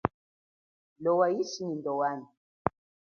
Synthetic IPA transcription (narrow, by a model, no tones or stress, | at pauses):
lɔwajiʃinindɔwani